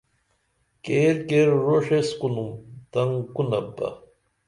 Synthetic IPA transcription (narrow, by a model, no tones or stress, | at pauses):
keːɾkeːɾɾoʂeskunumt̪ɐŋkunɐbɐ̰